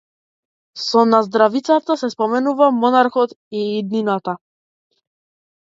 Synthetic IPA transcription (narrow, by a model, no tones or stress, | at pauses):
sɔnazd̪ɾavit̪sat̪asɛspɔmɛnuvamɔnaɾxɔt̪iːd̪ninat̪a